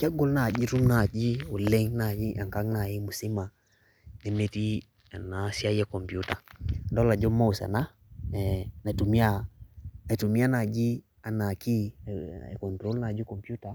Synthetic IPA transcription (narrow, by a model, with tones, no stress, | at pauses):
ka˦ɡɔ˦lna˨d͡ʒi˦ɾu˦mna˨d͡ʒi˦o˨lɛ˦ŋna˨i˦ʔa˨ŋka˦ŋna˨ji˦mu˨si˦ma˨ | nɛ˨mɛ˦ti˦ | a˨na˨˦si˦a˦jɛ˦kɔ˨mpju˦ta˨ndɔ˦la˨d͡ʒɔ˦mːa˦u˨sa̰˨na˦ | ɛ˨na˨tu˨mi˦a˦˨na˨tu˨mi˦a˦na˨d͡ʒi˦ | a˨na˨kḭ˦˨ | kɔ˨ntɾo˦lna˨d͡ʒi˦kɔ˨mpju˦ta˨